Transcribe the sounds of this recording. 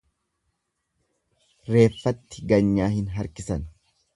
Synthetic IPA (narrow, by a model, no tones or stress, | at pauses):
ɾe̞ːfːɐt̪ːɪɡɐɲːaːhɪnɦɐɾkɪsɐn